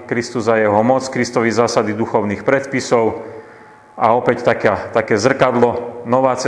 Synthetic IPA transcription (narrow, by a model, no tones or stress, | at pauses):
kɾist̪uzajɛɦɔmɔt͡skɾist̪ɔʋizaːsad̪id̪uxɔʊniːxpɾɛt̪pisɔʊ | ʔaɔpɛct̪akaːt̪akɛːzr̩kad̪lɔnɔʋaːt͡s